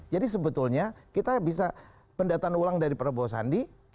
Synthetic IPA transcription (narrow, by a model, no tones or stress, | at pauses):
d͡ʒadis̬əbət̪ulɲakit̪abisa | pəndaat̪aːnulaŋdaɾipəɾabosa̰ndik